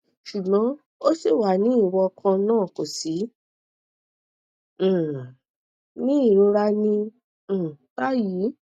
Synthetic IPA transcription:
ʃu˨ɡ͡bɔ̃˨˦ | o˦si˦˨wa˨nĩ˨˦i˦˨wɔ˧kʰã˧nãː˦˨ko˨si˨˦˨ | nĩ˦i˦˨ɾo˧ɾa˧nĩ˧˨ | ta˦ji˨˦

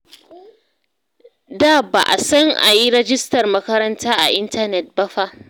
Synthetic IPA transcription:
daː˦˨ba̰˨ʔa˨sɐ˦ŋʔa̰˨ji˦ɽɛ˦d͡ʒɪ˦stɐ˨rmɐ˦kɐ˦ɾɐ˦ntaː˦ʔa̰˨ʔɪ˦ntɐ˦nɛ˨t̚bɐ˦ɸa˦ʔ

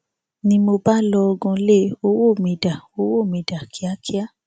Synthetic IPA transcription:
nĩ˧mo˧ba˦lɔ˧ɔ˧ɡɔ̃˧le˦o˧˦wo˦˨mĩ˨da˨o˧˦wo˦˨mĩ˨da˨kʰi˨˦a˦ki˦a˦

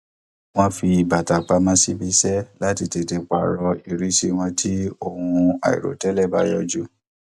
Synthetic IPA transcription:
w̃ɔ̃˦fi˧˨ba˨ta˨k͡pa˧mã˦si˦bi˦sɛ˦la˦ti˧te˧˨te˧k͡pa̰˨ɾɔ˧i˨ɾi˦si˦w̃ɔ̃˧tʰi˦o˦hũ˧a̰˨ḭ˨ɾo̰˨tɛ˨˦lɛ˦˨ba˦jɔ˦d͡ʒu˦˨

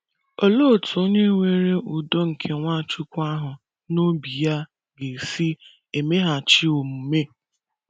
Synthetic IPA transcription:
o˨lo˦˨tʰo˦ɲe˦ŋʷe˦ɾe˦ʔu˨do˦ŋ̩˨kʰe˨ŋʷa˦˨t͡ʃu˦kʷa˦ɦʊ˨ | no˦bi˨ja˦ | ɡe˨si˦ | e˨me˦ɦa˨t͡ʃi˦o˨mu˨me˦˨

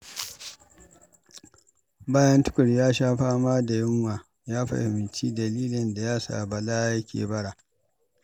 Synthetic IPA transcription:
baː˦jɐ˦ntʊ̥˦kʷʊ˨ɽjaː˦ʃaː˦ɸaː˦maː˦da˨jɪ˦ŋwaː˨ | jaː˦ɸa̰˦hɪ˨mɪ˨nt͡ʃiː˦dɐ˨liː˦lɪ˨nda˨jaː˦sa̰ː˨bɐ˨laː˦ja˦kʲʰḛː˨bɐ˦ɽa˨

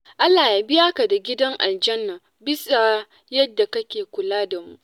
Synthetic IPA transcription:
ʔa˦lːaː˨ja˦bɪ˦ja˦ka˨da˨ɡʲɪ˦dɐ˦ŋʔa̰˨ld͡ʒɐ˦nːa˨ | bɪ˦sa˨ | jɐ˦dːa˨kɐ˦kʲeː˨kʷʊ˨laː˦da˨mṵ˦ʔ

